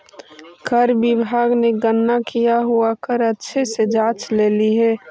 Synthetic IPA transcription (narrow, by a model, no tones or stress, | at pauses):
kʰəɾbɪbʱaːɡneɡənːakijaɦuakəɾətːʃʰesed͡ʒaːt͡ʃleːliɦɛː